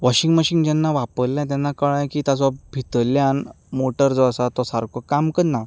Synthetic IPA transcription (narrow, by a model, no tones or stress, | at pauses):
ʋɔɕiŋɡmaɕiŋɡd͡ʑɛnːaʋapəlljãt̪̬anːakəɭãjkiːt̪at͡sɔbʱit̪əljan | moʈəɾd͡zɔasat̪ɔsaɾkʰɔkamkənːa